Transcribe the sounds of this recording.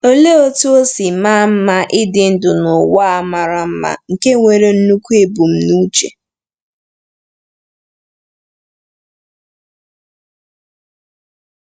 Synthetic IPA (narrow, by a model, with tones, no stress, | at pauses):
o˦le˦o˦tu˦o˦si˨ma˦m̩˦ma˦ʔɪ˦dɪ˨n̩˦dʊ˨nʊ˨wa˦a˦ma˨ɾa˨m̩˦ma̰˦˨ŋ̩˨ke˦ŋʷe˨ɾe˦n̩˦nu˦kʷu˦e˨bu˨m̩˦nu˦t͡ʃḛ˨